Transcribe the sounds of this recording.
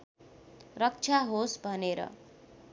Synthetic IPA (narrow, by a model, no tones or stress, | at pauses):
rʌk̚t͡ʃʰaɦosbʱʌneɾʌ̰